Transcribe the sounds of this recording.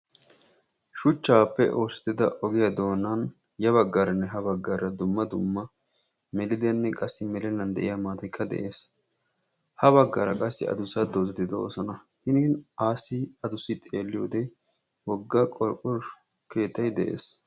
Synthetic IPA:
ʃʊt͡ʃːaːpːɛ̰ʔoːsɪ̥t̪ːɪd̪ɐʔɔɡɪjɐd̪o̞ːnɐn | jɐβɐɡːɐɾɐnːɛɦɐbɐɡːɐːɾɐd̪ʊmːɐd̪ʊmːɐ | mɛlɪd̪ɛnːɛkʼɐsːɪmɛlɛnɐnd̪ɛʔɪjamaːt̪ɐkʰʼːɐd̪ɛ̰ʔeːs | hɐβɐɡːɐːɾɐ̰kʼɐsːɪ̰ɐ̰d̪ʊsɐd̪oːzɛt̪ːɪd̪ɐo̰ːsɐnɐ | hɪniːnaːsiɐd̪ʊsɪt̪ʼeːlːɪjoːd̪ɛ | wɔɡːɐkʼɔɾkʼːʊɾ | kʰe̞ːt̪ːɐjd̪ɛʔe̞̰ːs

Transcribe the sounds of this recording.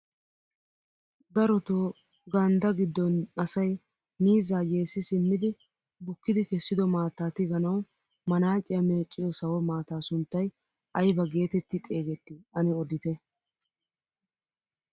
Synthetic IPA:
d̪ɐɾɔt̪oː | ɡɐnd̪ɐɡɪd̪ːɔnɐsɐj | miːzaːjeːsɪsɪmːɪd̪ɪ | bʊkːɪd̪ɪkɛsːɪd̪ɔmaːt̪ːaːt̪ɪɡɐnɐw | mɐnaːt͡ʃʼɪjɐme̞ːkʼːɪjɔsɐwɔmaːt̪aːsʊnt̪ːɐj | ʔɐjbɐɡe̞ːt̪ɛt̪ːɪt̪ʼe̞ːɡɛt̪ːɪʔɐnɪɔd̪ɪt̪ɛ

